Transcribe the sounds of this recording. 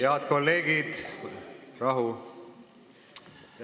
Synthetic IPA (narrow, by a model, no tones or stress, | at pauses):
eɑt̪ko̞lːe̞ːɡid̪̥ | rɑɦu